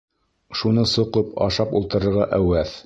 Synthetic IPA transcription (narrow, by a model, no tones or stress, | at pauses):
ʃunɤsŏqɤpɑ̰ʃɑpulˠt̪ɤ̆ɾɤ̆ɾʁɑʔæwæθ